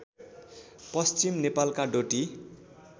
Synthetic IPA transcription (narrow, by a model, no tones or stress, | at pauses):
pʌst͡simnepalkaɖoʈi